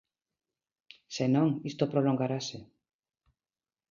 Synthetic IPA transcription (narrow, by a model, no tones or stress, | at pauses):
senõŋist̪opɾoloŋɡaɾase